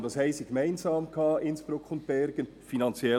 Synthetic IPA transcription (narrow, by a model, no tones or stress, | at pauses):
d̥ɑshaɪsiɡ̥emaɪnzɑːmkʰɑːʔɪnsb̥ɾʊkʰʊnt̚b̥ɛɾɡən | finɑnt͡sjɛ